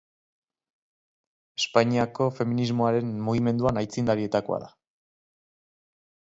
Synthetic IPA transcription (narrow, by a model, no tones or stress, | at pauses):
e̞spaɲiako̞fe̞minizmo̞aɾe̞nmuɣ̞ime̞nd̪uanajt͡sind̪aɾie̞t̪ako̞a̰ða